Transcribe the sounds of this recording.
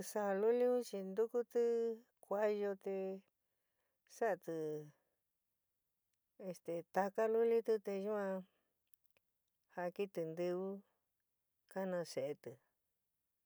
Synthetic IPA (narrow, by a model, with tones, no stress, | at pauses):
sa˧lu˦li˦ũ˦t͡ʃi˧nd̪u˦ku˦t̪ɨ˦ | kʷa˧jo˧t̪e˧ | sa˦ʔa˧t̪ɨ˧ | e˧st̪e˧t̪a˧ka˦lu˦li˦t̪ɨ˧t̪e˧ju˦ã˧ | ha˧ki˦t̪ɨ˧nd̪ɨ˧βu˦ | ka˦nã˧se˨ʔe˧t̪ɨ˨